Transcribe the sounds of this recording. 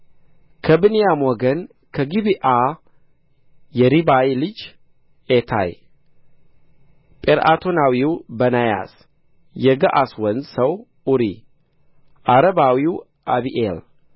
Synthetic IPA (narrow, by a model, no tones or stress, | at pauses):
kʰəbɨnijamwɔɡən | kʰəɡibiʔa | jɛɾibajlɨd͡ʒ | et̪ʰa̰j | pʼeɾa̰t̪ʰonawiwbənaja̰s | jɛɡəʔaswənsəw | uɾi | ʔaɾəbawiw | ʔabiʔel